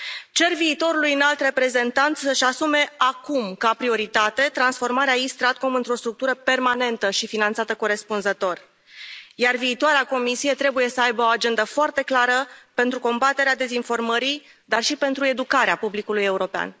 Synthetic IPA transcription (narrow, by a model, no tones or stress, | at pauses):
t͡ʃe̞rviːt̪o̞ɾulujɨnalt̪re̞pɾe̞ze̞nt̪ant̪səʃasume̞akumkapɾio̞ɾit̪at̪e̞t̪ɾansfo̞rmaɾeaist̪ɾat̪̚ko̞mɨnt̪ɾo̞st̪ɾuk̚t̪uɾəpe̞rmane̞nt̪əʃifinant̪sat̪əko̞ɾe̞spunzət̪o̞r | jarviːt̪oaɾeako̞misije̞t̪ɾe̞buje̞səajbəo̞ad͡ʒe̞nd̪əfoart̪e̞klaɾəpe̞nt̪ɾuko̞mbat̪e̞ɾead̪e̞zinfo̞rməɾi | d̪arʃipe̞nt̪ɾue̞d̪ukaɾeapublikuluje̞uɾo̞pea̰n